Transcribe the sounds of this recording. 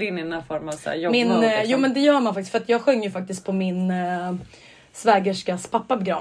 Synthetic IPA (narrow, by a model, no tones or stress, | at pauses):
ɪnːɪɛnæɾfɔɾmasæ̰ːjɔmɪnjuːmɛnd̪ɛjœːɾmanfaktɪskfœɾat̪jɑːɡɧœŋːjɵfak̚t̪ɪskt̪̚pʰɔmɪn | svɛːɡəʂkaspʰapːapɛɡɾa̰